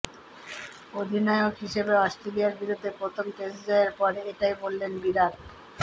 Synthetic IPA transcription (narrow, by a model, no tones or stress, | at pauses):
od̪ʱinɔeokɦiʃebeɔsʈɾelijaɾbiɾud̪ʱːepɾot̪ʰomt̪esd͡ʑaeɾpɔɾeʈajbolːenbiɾal